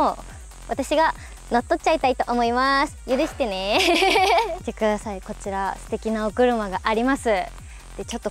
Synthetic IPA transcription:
o | βat̪aɕiɡa | no̞t̪ːo̞kt͡ɕait̪ait̪o̞ʔomo̞imasɨ̥jɯ̟ɾɯ̟ɕi̥t̪e̞ne̞ | t̪e̞kɯ̟d̪asaiko̞t͡ɕiɾasɨ̥t̪e̞kʲinaokɯ̟ɾɯ̟maɡaʔaɾʲimasɨ | d̪̥e̞t͡ɕo̞t̪ːo̞

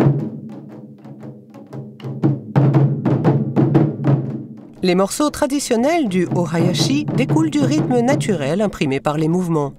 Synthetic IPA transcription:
lemɔʁsot̪χad̪isjɔnɛld̪yʔɔʁajaʃid̪ekuld̪yʁit̪mənat̪ʰyʁɛlɛ̃pχimepaʁlemuvmɑ̃

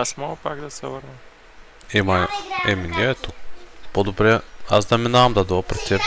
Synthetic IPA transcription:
asmɔɡəpaɡd̪ɐsɛvəɾnə | ɛmaɛminɛɛt̪upod̪obɾɛazd̪ɐminaɐmd̪ɐd̪oɐpɾɛt̪t̪ɛɾ

